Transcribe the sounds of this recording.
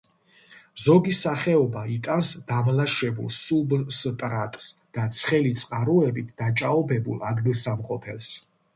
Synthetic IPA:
zɔɡisaχɛɔbait̪ʼansd̪̥amlaʃɛbṵlˠsublst̪ʼɾat̪ʼsd̪̥at̪sʰχɛlit̪sʼqʼaɾuɛbit̪ʰd̪at͡ʃʼaɔbɛbṵlˠad̪ɡilˠsamqʼɔpʰɛls

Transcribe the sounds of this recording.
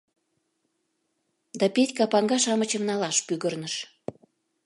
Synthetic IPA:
d̪ɑpetʲkɑpɑŋɡɑʃɑmət͡ɕəmnɑlɑʃpyɣərnəʃ

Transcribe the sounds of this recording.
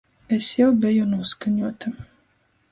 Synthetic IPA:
esjawbʲɛjunuɔskaɲuɔt̪a

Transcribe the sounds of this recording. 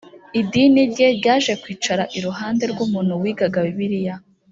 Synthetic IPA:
idiːniɾɟe̞ɾɟaːʒe̞kwiːt͡ʃaɾaʔiɾuɦaːnde̞ɾɡumuːn̥huwiːɡaɡaβiβiɾija

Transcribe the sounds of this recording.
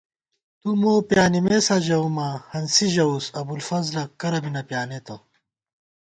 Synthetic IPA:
t̪umoːpjaːnimesaʑɐumahɐnsiʑɐusɐbulfɐzlɐkːɐɾɐbinɐpjaːnet̪ɐ

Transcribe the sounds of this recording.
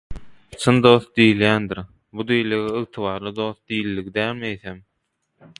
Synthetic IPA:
t͡ʃʰɯnd̪o̞ːθd̪iːljæːnd̪iɾ | bud̪ijliɣeɯɣt̪ʰɯβɑːɾlˠɯd̪o̞ːθd̪ijlʲːiɣid̪æːlmejθem

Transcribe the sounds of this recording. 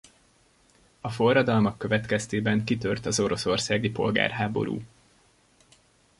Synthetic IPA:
ɒfo̞rːɒd̪ɒlmɒkːøvɛt̪kɛst̪eːbɛŋkit̪ørt̪ɒzo̞ɾo̞so̞rsaːɡipo̞̰lɡa̰ːrɦaːbo̞̰ɾṵː

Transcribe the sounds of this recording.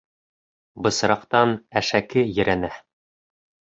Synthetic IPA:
bɤ̆sɾɑqt̪ɑnæʃækɘjɘ̆ɾænæ

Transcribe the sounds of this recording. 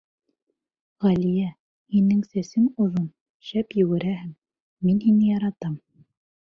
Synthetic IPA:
ʁælijæ | hinɘŋsæsɘŋuðun | ɕæpjɵ̆wɘ̆ɾæhɘŋː | inhinɘjɑɾɑt̪ɑm

